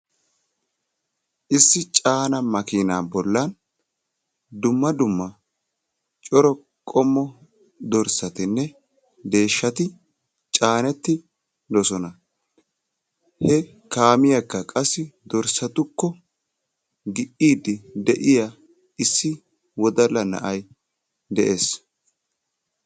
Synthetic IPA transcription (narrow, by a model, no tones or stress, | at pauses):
ʔɪsːɪt͡ʃʼaːnɐmɐkɪnaːbɔlːɐn | d̪ʊmːɐd̪ʊmːɐ | t͡ʃʼɔɾɔ | kʼɔmːɔ | d̪ɔɾsɐt̪ɪnːɛ | d̪e̞ːʃːɐt̪ɪ | t͡ʃʼaːnɛt̪ːɪ | d̪ɔsɔnɐ | hɛ | kaːmɪjɐkːɐkʼɐsːɪd̪ɔɾsɐt̪ʊkːɔ | ɡɪʔiːd̪ɪd̪ɛʔɪja | ɪsːɪ | wɔd̪ɐlːɐnɐ̰ʔɐj | d̪ɛʔe̞ːs